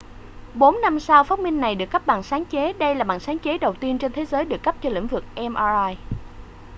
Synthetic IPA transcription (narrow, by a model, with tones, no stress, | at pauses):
ɓo˨˦nːa˧msaː˧wfaː˦˥t̚mï˧ŋ̟na˨˩jɗɨ˨˩əkːə˦˥p̚ɓa̰ː˧˨˩ŋsaː˨˦ŋt͡ɕe˨˦ɗə˧jlaː˨˩ɓaː˧˨˩nsaː˨˦nt͡ɕe˨˦ɗə˨˩wt̪i˧ənt͡ɕe˧nt̪ʰe˨˦zəː˨˦jɗɨ˨˩əkːə˦˥p̚t͡ɕɔ˧lḭ˧˥ŋ̟vɨ˨˩k̚ʔɛ˧mʔa˧aː˧j